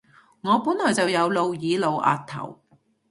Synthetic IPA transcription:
ŋɔː˨˧puː˨˥nlɔː˨˩jt͡sɐ˨wjɐ˨˧wlo˨wjiː˨˧lo˨wʔa̰ː˨t̚t̪ʰɐ̰˨˩w

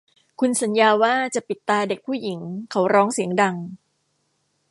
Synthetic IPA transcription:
kʰu˧nsa˩˦njaː˧waː˥˩t͡ɕa˨˩ʔpi˨˩t̪ːaː˧de˨˩k̚pʰuː˥˩ji˩˦ŋkʰa˨˦wɾɔː˦˥ŋsi˩˦əŋda˧ŋ

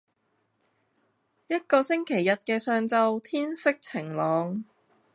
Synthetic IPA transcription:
jɐ˥t̚kɔː˧sɪ˥ŋkʰe˨˩jːɐ˨t̚kɛː˧sœː˧ŋt͡sɐ˧wt̪ʰiː˥nsɪ˥k̚t͡sʰɪ˨˩ŋlɔː˨˧ŋ

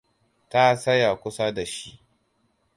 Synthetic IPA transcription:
ta˦sɐ˦ja˨kʷʊ˦sa˦da˨ʃi˦ʔ

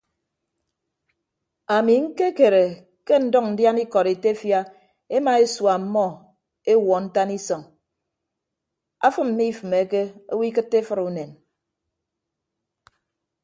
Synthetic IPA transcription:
a˨mi˨ŋ̩˦ke˦ke˨ɾe˨ | ke˦n̩˦dɔ˦kn̩˦dja˦ni˦kɔ˨ɾe˨te˦fja˦ | e˦ma˨e˦swa˨m̩˦mːɔ˦ | e˦wɔ˨n̩˦ta˦ni˦sɔ˨ŋ | a̰˦fɨ˦m̩˦mi˦fɨ˨me˨˦ke˦o˦wi˦kɨ˦tːe˦fɨ˦ɾu˨ne˨n

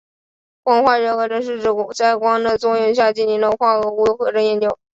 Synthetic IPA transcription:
kwɑ˥˧ŋxwa˥˧ɻɤ˧˥xɤ˧˥ʈ͡ʂə˥nʂ̬ɻ̩˥˧ʈ͡ʂɻ̩˥˩ku˨˩t͡sa˥˩ɪkwɑ˥ŋd̪ə˥˧t͡swɔ˥jʊ˧ŋɕ̬ja˥˧t͡ɕi˥˩ni˧˥nd̪ə˧kwa˥˩ɤ˧˥u˥˧˥xɤ˧˥ʈ͡ʂɤ˥njɛ˥˩nt͡ɕjo˥˩ʊ

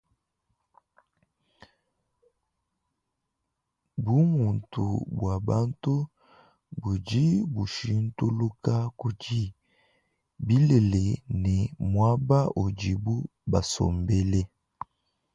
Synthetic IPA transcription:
bu˦mu˨ntu˨bwa˨ba˦ntu˦ | bu˨d͡ʒi˦bu˨ʃi˦n˦tu˦lu˦ka˦ku˨d͡ʒi˨ | bi˦le˨le˨nɛ˨mwa˦ba˦ʔo˨d͡ʒi˨bu˦ | ba˨so̰˨mbe˦le˦

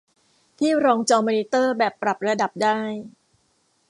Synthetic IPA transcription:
t̪ʰiː˥˩ɾɔː˧ŋt͡ɕɔː˧mɔː˧ni˦˥t̪ɤː˥˩bɛː˨˩pːɾa˨˩p̚ɾa˧da˨˩p̚daː˥˩j

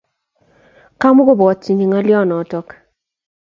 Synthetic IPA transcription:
ka˦mʊ˦ɡʊ˦bɔ˨tːi˨ɲi˨ŋɔ˦lɪjɔ˦nɔ˨tɔ˦k

